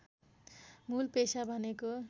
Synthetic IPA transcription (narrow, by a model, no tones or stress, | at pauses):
mulpesabʱʌneko